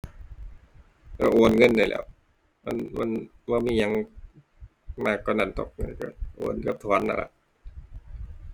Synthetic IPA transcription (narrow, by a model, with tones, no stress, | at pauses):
ka˧˩ʔoː˨˩nŋɤ˧˥˨ndaː˧˩lɛ̰ː˧˥w | ma˧˥˨nma˧˥˨nbɔː˧miː˧˥˨ɲa˧˥ŋ | maː˧˩kːɔː˧˩na˧˩nt̪o˧˩k̚ŋa˧˩nka̰˧˩ʔo̰ː˨˩nka˧˦p̚t̪ʰɔː˨˦˨nʔa̰˧˩la̰˧˩ʔ